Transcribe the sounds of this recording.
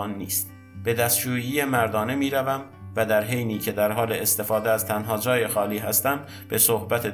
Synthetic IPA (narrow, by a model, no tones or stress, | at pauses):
nːḭːst̪ | b̥e̞d̪æst̪d͡ʒuːjiːjemæɾd̪ɒːne̞miːɾævæm | væd̪æɾɦe̞jniːcʰe̞d̪æɾɦɒːleːst̪e̞fɒːd̪eæz̥t̪ʰænɦɒːd͡ʒɒːje̞xɒːliːɦæst̪æm | b̥e̞sohbæt̪ʰe